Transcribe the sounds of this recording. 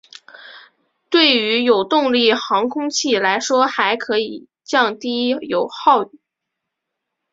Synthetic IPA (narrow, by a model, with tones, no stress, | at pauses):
t̪we˥˩ɪy˧˥jo˨˩ʊt̪ʊ˥˧ŋli˥˩xɑ˧˥ŋkʰʊ˥ŋt͡ɕʰi˥˩la˧˥ɪʂwɔ˥xa˧˥ɪkʰɤ˧˥i˨˩ | t͡ɕjɑ˥˧ŋt̪i˥jo˨˩ʊxɑ˥˧ʊy˨˩